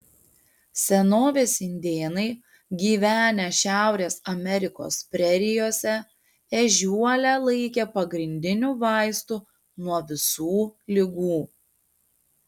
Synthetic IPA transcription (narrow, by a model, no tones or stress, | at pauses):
sʲɛnoːʋʲeːsʲɪnʲd̪ʲeːnɐɪ | ɡʲiːʋʲæːnʲɛʃʲæˑʊɾʲeːsɐmʲɛɾʲɪko̰ːspʲɾʲɛɾʲɪjoːsʲɛ | ɛʒʲuɔlʲæːlˠɐɪkʲeːpɐɡɾʲɪnʲd̪ʲɪnʲuːʋɑˑɪst̪uː | nuɔʋʲɪsuːlʲɪɡuː